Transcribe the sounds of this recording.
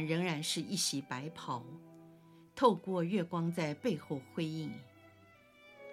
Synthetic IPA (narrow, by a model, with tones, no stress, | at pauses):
ɻə˧˥ŋɻa˧˥nʂɻ̩˥˧i˥˩ɕi˧˥pa˧˥ɪpʰɑ˨˩˦ʊ | t̪ʰo˥˧ʊkwɔ˥˧ɥɛ˥˩kwɑ˥ŋt͡sa˥˧ɪpe˥˧ɪxo˥˩ʊxwe˥ɪi˥˩ŋ